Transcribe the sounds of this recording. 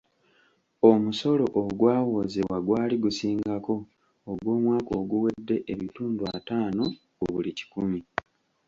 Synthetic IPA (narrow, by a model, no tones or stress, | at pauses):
omuso̞lo̞ʔoɡwaːwo̞ːzewaɡwaːliɡusiːŋɡako̞ː | ɡwo̞ːmwaːkoːɡuwe̞dːe̞ʔeβituːnduataːno̞ | uβulici̥kumi